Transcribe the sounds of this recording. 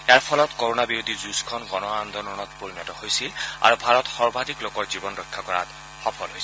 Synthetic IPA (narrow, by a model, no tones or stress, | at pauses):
ejaɹpʰɔlɔtkoɹonabiɹod̪ʱizuskʰɔnɡɔnɔand̪ʱɔnɔnɔtpoɹinɔtɔhojsila̰ɹubʱaɹɔtxɔɹbʱadʱiklokɔɹzibɔnɹɔjkʰːakɔɹa̰t | xɔpʰɔlɦojs